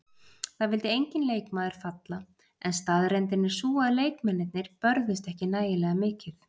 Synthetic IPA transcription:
θaðvɪlt̪ɪejɲcɪnleːjkmaːðɪɾ̥fat̪la | ɛnst̪aðɾɛnt̪̬ɪnːɪɾ̥suːaðleːjkmɛnːɪt̪nɪɾ̥pœɾðɪst̪ɛhcɪnaːjɪlɛɣamɪːcɪθ

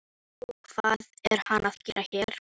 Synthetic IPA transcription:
kʰv̥aðɛɾ̥hanaðcɪːɾʔaçɛːɾ̥

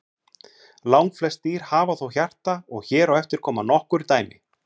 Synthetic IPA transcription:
lawŋkflɛst̪iːɾ̥haːvaθowçar̥t̪aɔɣçɛːɾawɛft̪ɪɾ̥kʰɔːmanɔhkʏɾit̪aːjmɪ̰

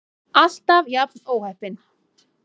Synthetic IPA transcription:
ast̪avjapnoːwhɛhpɪn

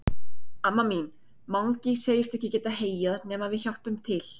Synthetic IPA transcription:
amːamin | mawŋciseːjɪst̪ɛhcɪcɛːt̪aheːjaðnɛːmavɪðçɔhpʏmt̪ʰɪl̥

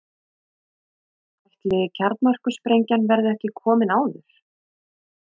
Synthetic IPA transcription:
ajht̪lɪcʰaɾt̪nmar̥kʏspɾejɲcanvɛɾðɪɛhcɪkʰɔːmɪnaːwðʏɾ̥

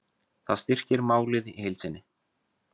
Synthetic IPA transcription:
θaðst̪ir̥cɪɾmaːwlɪðihejlsɪnːɪ

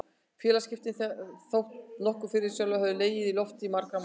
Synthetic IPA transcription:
fjɛːlascɪft̪ɪθθowht̪nɔhkʏ̥fɪɾɪɾ̥sjœːlɔɦɛvðʏleːjɪðilɔft̪ɪimaɾkɾam

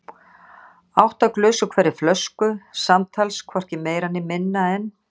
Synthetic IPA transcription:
awht̪aklʏːsʏkʰvɛːɾːɪflœskʏsamt̪ʰalskʰvɔr̥cɪmeːjɾanːɪmɪnːaɛn

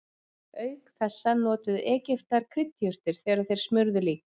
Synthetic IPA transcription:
œːɥkθɛsːanɔːt̪ʏðɛːcɪft̪aɾ̥kʰɾɪt̪ːjœr̥t̪ɪɾ̥θɛːɾaðθejɾ̥smʏɾðʏliːk

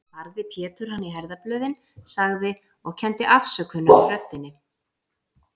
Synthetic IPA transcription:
paɾðɪpʰjɛːt̪ʏɾ̥hanːiɦɛɾðaplœːɥðɪn | saɣðɪ | ɔɣcʰɛnt̪ɪʔafsœkhʏnːafɾœt̪ːɪnːɪ

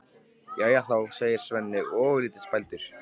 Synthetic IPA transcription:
jajaθawseːjɪɾ̥svɛnːɪɣɔːvʏɾliːt̪ɪ̥spajlt̪ʏɾ̥

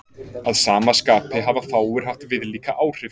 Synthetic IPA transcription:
aðsaːmaskaːpɪɦavafaːwʏɾ̥ɦaft̪vɪðliːkaʔaːwr̥ɪ

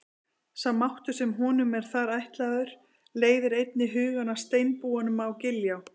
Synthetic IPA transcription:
samːawht̪ʏ̥sɛmɦɔːnʏmɛɾ̥θaɾajht̪laðʏɾ̥ | leːjðʏɾejt̪̚nɪɦʏːɣanḁst̪eːjnpuːanʏmawcɪljaw

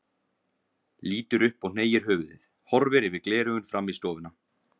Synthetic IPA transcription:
liːt̪ʏɾʏhpɔɣn̥eːjɪɾ̥ɦʏːvðɪ̰θ | hɔɾvɪɾɪvɪðklɛːɾʏɣʏnfɾamːist̪ɔːvʏna

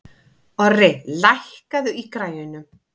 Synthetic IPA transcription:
ɔrɪlajhkaðʏikɾaːjʏnʏm

